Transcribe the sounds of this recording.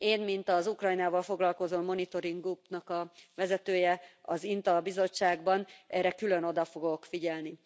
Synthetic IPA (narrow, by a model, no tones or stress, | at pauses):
eːnmint̪ɒzukrɒjnaːvɒlfo̞ɡlɒlko̞zomːo̞nit̪o̞ɾiŋɡupnɒkɒʋɛzɛt̪øːjɛɒzint̪ɒbizo̞t͡ʃːaːɡbɒnʔɛːɾɛkylø̞no̞d̪ɒfo̞ɡo̞kfiɟɛlni